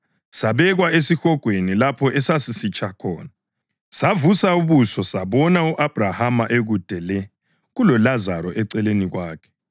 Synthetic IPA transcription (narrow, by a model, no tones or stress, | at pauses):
saβɛɣwaesixɔɡ̥ʱwenilapʰɔʔɛsasisit͡ʃʰʼakʰɔ̰ːna | savusauβusɔsaβɔnauʔab̥ʱrahamaʔeɣud̥ʱɛlɛ | ɣulɔlazaɾɔʔɛǀɛleniɣwaːkʰɛ̥